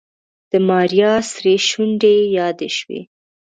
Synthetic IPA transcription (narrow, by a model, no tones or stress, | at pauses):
d̪̥əmɑɾjɑsɾeʃuɳɖejɑd̪ḛʃwḛ